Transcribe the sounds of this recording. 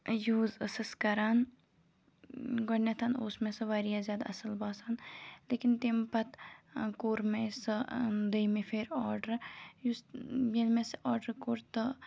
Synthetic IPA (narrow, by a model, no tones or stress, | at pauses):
juːzəsɐskɐɾaːn | ɡɐɳːɐt̪ʰano̰ːsmẽsɨʋaɾijazʲjaːd̪aɐsɐlbaːsaːnleːkint̪empɐt̪koːɾmesɨd̪əjmefʰeːɾɔːɾɖɐɾjusjenmesʔɔːɾɖəɾkoːɾt̪ə